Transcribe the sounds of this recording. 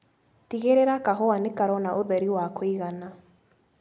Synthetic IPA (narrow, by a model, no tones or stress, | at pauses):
tiɣeɾeɾakaɦɔanekaɾɔnaʔoðɛɾiwakoiɣana